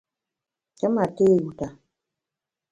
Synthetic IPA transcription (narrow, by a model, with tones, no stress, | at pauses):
t͡ʃə˦ma˨te˦˨wu˨ta˨